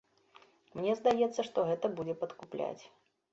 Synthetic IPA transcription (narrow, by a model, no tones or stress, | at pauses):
mnʲɛzd̪ajɛt̪sːɐʂt̪ɔɣɛt̪ɐbud͡zʲɛpɐt̪kuplʲa̰t͡sʲ